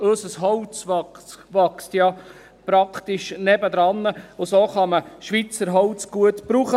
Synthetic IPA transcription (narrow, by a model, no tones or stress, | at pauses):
øsəsɦɔwt͡sʋɑʋɑkstjɑ | pɾɑkχt̪iʃnɛbəd̪ɾɑnːəʊsoːχɑməʃʋit͡səɾɦɔwt͡sɡ̥uətbɾuːχə